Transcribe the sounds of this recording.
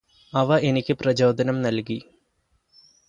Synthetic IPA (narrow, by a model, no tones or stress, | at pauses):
ɐʋɐʔe̞nikʲːɨprɐt͡ɕoːd̪ɐnɐmnɐlki